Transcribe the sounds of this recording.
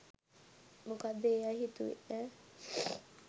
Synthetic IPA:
mukad̪eaɦit̪uḭʔɛ

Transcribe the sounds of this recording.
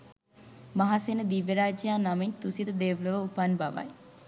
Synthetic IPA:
maɦasenəd̪iʋeɾaːd͡ʒijaːnamint̪usid̪əd̪eːʋləʋəupanbaʋa̰j

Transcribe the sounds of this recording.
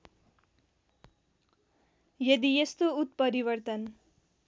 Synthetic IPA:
jʌd̪ijest̪out̪̚pʌɾiβʌrt̪ʌn

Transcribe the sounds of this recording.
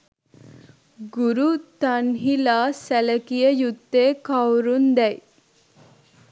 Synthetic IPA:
ɡuɾut̪ɐnɦilaːsæləkijəjut̪ːeːkawɾund̪ɛj

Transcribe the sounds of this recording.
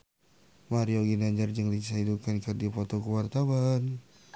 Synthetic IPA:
maɾioɡinaɲd͡ʒərd͡ʒəŋlit͡ʃaidukankədifɔt̪ɔkuwart̪awan

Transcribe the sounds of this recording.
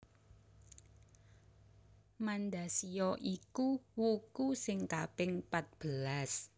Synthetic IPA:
mand̪asiɔʔikuwukusɪŋkabɪŋpat̪̚b̥əlas

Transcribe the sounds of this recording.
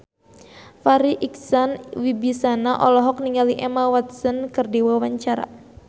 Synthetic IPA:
faɾiʔiksanwibisanaʔɔlɔɦɔk̚niŋaliʔɛmawat̪sənkɨrdiwawaɲt͡ʃaɾa̰

